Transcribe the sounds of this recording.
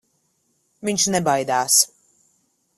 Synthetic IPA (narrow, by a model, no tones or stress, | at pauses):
viɲʲʃnɛbajd̪aːs